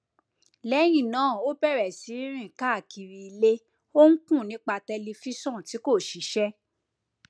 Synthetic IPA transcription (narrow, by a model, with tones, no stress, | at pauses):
lɛ˨˦j̃ĩ˦˨nãː˨˦˨o˦bɛ˦˨ɾɛ˨si˨˦ɾ̃ĩ˦˨ka˦˨kʰi˨ɾi˧i˧le˦ | o˦ŋ̩˦kũ˦˨nĩ˨˦k͡pa˧tɛ˧li˧fi˦sɔ̃˦˨ti˨˦ko˦˨ʃi˨˦ʃɛ˦